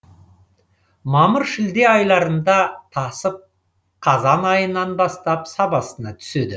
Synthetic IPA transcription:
mɑməɾʃɪld̪e̞ɑjlˠɑɾənd̪ɑt̪ʰɑsəp̚ | qʰɑzɑnɑjənɑnbɑst̪ɑpsɑbɑsənɑt̪ʰʏ̥se̞d̪ɪ

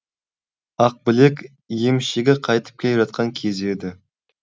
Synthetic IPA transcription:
ɑq̚bɪle̞kʲ | je̞mʃeɡʲɪqʰɑjt̪ə̥p̚kʲʰelʒɑt̪̚qɑŋkʲʰe̞ze̞d̪ɪ

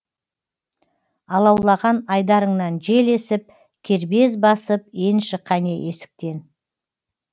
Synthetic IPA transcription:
ɑlˠɑwlˠɑʁɑnɑjd̪ɑɾəɴnɑnʒe̞le̞sɪp̚ | kʲʰe̞ɾbe̞zbɑsəpe̞nʃɪqʰːɑneʔesɪ̥k̚t̪e̞n

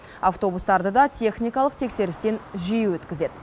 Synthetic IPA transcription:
aft̪o̞bust̪ɑɾd̪əd̪ɑt̪ʲʰe̞χnʲijkɑlˠəqt̪ʰe̞kse̞ɾɪst̪e̞nʒijuwɵt̪kʲɪze̞d̪ɪ

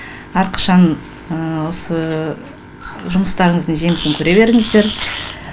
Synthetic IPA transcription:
ɑɾqʰɑ̥ʃɑn | əwo̞sə | ʒʊməst̪ɑɾəɴəzd̪əŋʒe̞mɪsɪŋkʲʰɵɾe̞βe̞ɾɪŋɪzd̪e̞ɾ

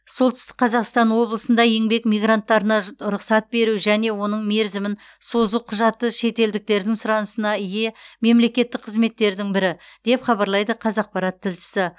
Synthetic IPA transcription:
so̞lˠt̪ʏ̥st̪ɪ̥k̚qʰɑzɑqst̪ɑnwo̞blˠəsənd̪ɑe̞ŋbe̞kmijɡrant̪ːɑɾənɑɾʊqsɑt̪̚be̞ɾuʒæne̞wo̞nəɴme̞ɾzɪmɪn | so̞zuqʰʊʒɑt̪ːəʃe̞t̪e̞ld̪ɪk̚t̪e̞ɾd̪ɪŋsʊɾɑnəsənɑɪje̞me̞mle̞kʲe̞t̪ːɪk̚qʰəzme̞t̪ːe̞ɾd̪ɪŋbɪɾɪd̪̥e̞pχɑbɑɾlˠɑjd̪əqʰɑzɑq̚pɑɾɑt̪ʰːɪlʃɪ̥sɪ

